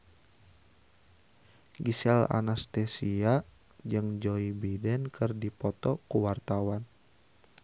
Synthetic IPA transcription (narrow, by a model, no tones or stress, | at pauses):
ɡisɛla̰nast̪ɛsia | d͡ʒəŋd͡ʒɔibidɛnkʰərdipɔt̪ɔkuwart̪awan